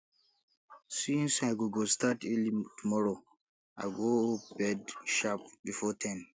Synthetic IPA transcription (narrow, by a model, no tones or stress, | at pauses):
sĩnsajɡoɡostatɛlitumɔɹo | ʔaɪɡobɛdʃap̚bifɔtʰãn